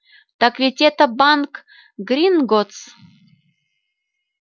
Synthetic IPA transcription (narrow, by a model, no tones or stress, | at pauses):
t̪akvʲitʲet̪əbɑnk | ɡrʲinɡot͡s